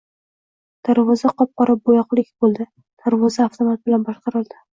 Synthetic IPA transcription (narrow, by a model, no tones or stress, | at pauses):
d̪̥aɾvɒzaqɒp̚qɒɾap̚bojɒqlˠɪkʲbolˠd̪ɪ | d̪̥aɾvɒzaːft̪ʰomat̪̚bɪlanbɒʃqʰɑɾɪlˠd̪ɪ